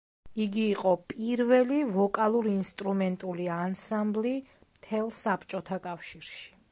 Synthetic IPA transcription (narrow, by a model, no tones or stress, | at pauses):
iɡiːqʼɔpʼiɾvɛlivɔkʼalˠuɾːnst̪ʼɾumɛnt̪ʼuliansambli | mt̪ʰɛlˠsapʰt͡ʃʼɔt̪ʰakʼafʃiɾʃi̥